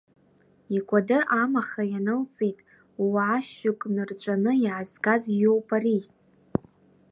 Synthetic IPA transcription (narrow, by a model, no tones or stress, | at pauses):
ikʷʰʼadɨrʔamaχajanɨlt͡sʼitʼ | waaʃʊkʼnɨrt͡ʃʷʼanɨiʕazɡazjowpʼari